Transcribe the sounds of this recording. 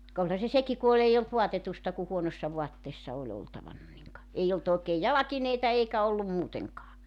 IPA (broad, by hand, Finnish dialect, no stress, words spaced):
kɑ olhɑ se seki ku ol eij olt ʋoɑtetustɑ ku huonosːɑ ʋuɑtːeːsːɑ olʲ oltɑʋɑnːɑ niŋ kɑ ei olt oˑekeːj jɑlɑkineitɑ eikæ olːum muːteŋkɑː